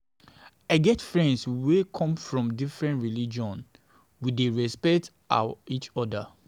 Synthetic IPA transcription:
aɪɡɛtfɹɛ̃ndswekʰɔ̃mfɹɔ̃mdifɹɛ̃ntɹilid͡ʒɔ̃n | wideɹɛspɛkt | a̰it͡ʃɔda

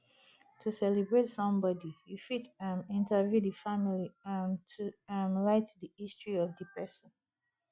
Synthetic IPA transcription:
tʰusɛlɛbɹetsʌ̃mbɔdijufitãnĩntəvjudifamiliãntuamlaɪtdiistɹiɔvdipʰɹɛʃə̃n

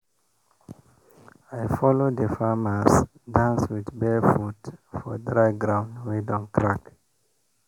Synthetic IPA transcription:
ajfɔlodəfaməs | dãnswiðbɛfutfɔdɹaɪɡɹãʊ̃ndwɛdɔ̃mkʰɹak

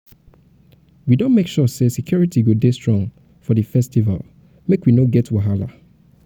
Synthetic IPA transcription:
widõnmekʃɔsesikʰj̥uɹitʰiɡudestɹ̥ɔ̃ŋ | fɔðəfɛstiva̰l | mekwinoɡɛtwaɦala̰

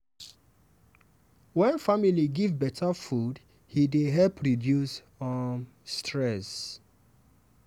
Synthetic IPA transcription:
wɛ̃nfamiliɡivbɛtʰafud | hideɦɛlpʰɹidjus | ɔ | stʰɹɛs

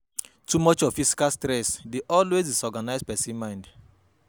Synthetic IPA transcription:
tumɔt͡ʃɔv̥fisi̥kalstɾɛsdeʔɔlwezisɔɡanaɪspɛsĩnmãɪ̃nd

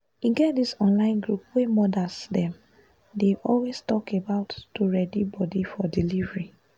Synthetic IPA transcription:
uɡɛt̚disɔ̃nlãɪ̃nɡɹupwemɔdasdɛ̃m | deʔɔlwestɔkebaʊtːuɹɛdibɔdifɔdilivɹi

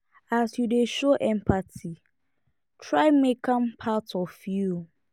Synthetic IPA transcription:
asjudeʃoʔɛ̃mpʰatʰi | tʰɹaɪmekʰãmpʰatʰɔfju

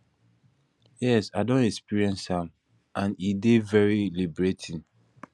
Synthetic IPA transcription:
jɛsaɪdõntɛkspiɹiɛ̃nshãm | ʔãnidevɛɹilibɹetʰĩn

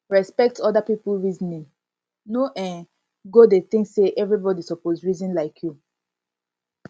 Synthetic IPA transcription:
ɹɛspɛk̚tɔdapipulɹizɔnĩ | noʔɛ̃n | ɡodet̪ĩŋksːeʔɛvɹibɔdisɔpozɹizɔ̃nlaɪkʰju

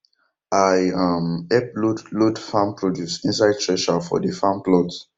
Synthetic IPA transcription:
ajamɛpludlodfãmpɹɔdjusĩnsaɪd̚tɹɛʃafɔ̰dəfãmplɔd

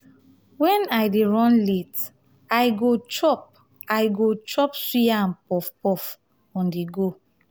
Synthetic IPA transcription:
wɛ̃najdeɹɔ̃nlet | ajɡot͡ʃɔp̚ | ajɡot͡ʃɔpsiaãnpɔfpɔf | ɔ̃ndiɡo

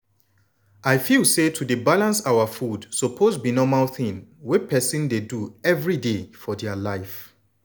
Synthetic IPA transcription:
ʔajfilsetʰudebalãnsawafudsɔpʰozbinɔmalθĩnwipʰɛsĩndeduɛvɹidefɔdɛalaɪf

